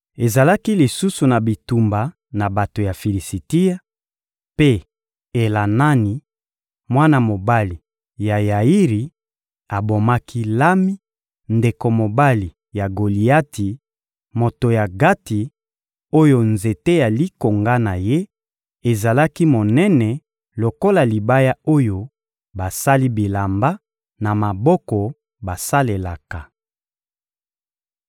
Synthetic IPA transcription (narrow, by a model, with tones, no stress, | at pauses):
e˨za˨la˦ki˦li˨su˦su˨na˨bi˨tu˨mba˨ | na˨ba˨to˨ja˨fi˨li˨si˨ti˦ja˦ | pe˦ | e˨la˨na˦ni˨ | mwa˦na˦˨mo˨ba˦li˨ | ja˨ja˨i˦ʁi˨ | a˨bo˨ma˦kʰi˦la˦mi˦ | nde˨ko˨mo˨ba˦li˨ | ja˨ɡo˨li˨a˦ti˨ | mo˨to˨ja˨ɡa˦ti˨ | o˦jo˦nze˨te˦ja˨li˦ko˨ŋɡa˦na˨je˦ | e˨za˨la˦ki˦mo˨nɛ˦nɛ˨ | lo˨ko˦la˨li˨ba˦ja˦o˦jo˦ | ba˨sa˦li˦bi˨la˨mba˦ | na˨ma˨bɔ˦kɔ˨ | ba˨sa˦le˨la˨ka˨